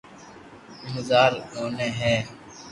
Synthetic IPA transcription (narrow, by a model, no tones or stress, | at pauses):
mʊd̪aːɾɦoːneːɦɛ̃ː